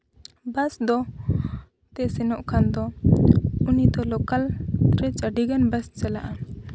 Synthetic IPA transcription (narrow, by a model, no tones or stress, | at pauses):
basd̪ɔ | t̪ɛsɛnɔʔkʰand̪ɔ | unid̪ɔlɔkalɾɛt͡ʃaɖiɡanbast͡ʃɛlaʔa